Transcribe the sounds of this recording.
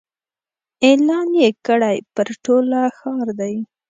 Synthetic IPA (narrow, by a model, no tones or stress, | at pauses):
elɑnjekəɽajpəɾʈolaxɑɾd̪aj